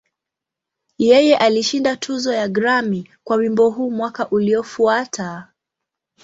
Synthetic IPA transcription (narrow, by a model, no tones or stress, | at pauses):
jɛjɛʔaliʃindatʰuzɔjaɡɾamikwawimbɔɦuːmwakaʔuliɔfuatʰa